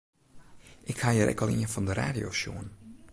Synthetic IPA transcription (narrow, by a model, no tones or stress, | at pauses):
ʔɪkhaːjəɾʔɛ̰kɔlˠiənfɑndəɾa̰ːdjoʃo̰ːən